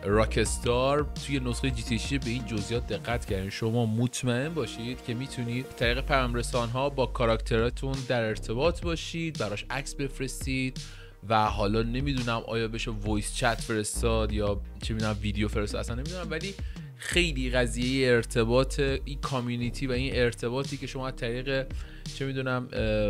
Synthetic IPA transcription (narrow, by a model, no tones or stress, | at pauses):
ɾɒcʰest̪ɒɾt̪ʰuːje̞nosxejd͡ʒit̪ʰeʃiebe̞iːnd͡ʒozʔijɒːt̪̚d̪e̞ɣːæt̪ʰcʰæɾd̪id̪ʃo̞mɒːmot̪ʰmæe̞nbɒːʃid̪̥cʰe̞miːt̪ʰuniːd̪̚t̪ʰæɾiːɣe̞pʰæjɒːmɾe̞sɒːnɦɒːbɒːkʰɒɾɒct̪ʰe̞ɾɒːt̪ʰund̪æɾe̞ɾt̪ʰe̞bɒːt̪ʰbɒːʃiːd̪̚bæɾɒʃʔæcsbe̞fɾe̞st̪iːd̪̥̚ | væɦɒːlɒːne̞miːd̪uːnæmʔɒ̰ːjɒːbe̞ʃevojt̪t͡ʃʰæt̪fe̞ɾe̞st̪ɒːd̪jɒːt͡ʃʰemid̪unæmviːd̪eofe̞ɾst̪ːd̪æsænːemid̪unæmvæliː | xe̞jliːɣæziːje̞jeːɾt̪ʰe̞bɒːt̪ʰeinkʰɒmjunit̪ʰiːvæine̞ɾt̪ʰe̞βɒːt̪ʰiːce̞ʃo̞mɒːæzt̪ʰæɾiːɣe̞ | t͡ʃʰe̞miːd̪uːnæm